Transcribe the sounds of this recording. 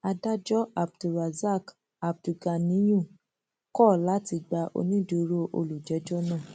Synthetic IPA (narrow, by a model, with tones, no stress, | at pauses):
a˧da˦d͡ʒɔ˦a˨b̚du˨ɾa˨za˦˨k | a˨b̚du˨ɡa˨nĩ˨˦jũ˦˨ | kɔ˦˨la˨˦ti˧ɡ͡ba˧ʔo̰˧nĩ˦du˧ɾo˦ʔo̰˧lu˨d͡ʒɛ˨˦d͡ʒɔ˦nãː˦˨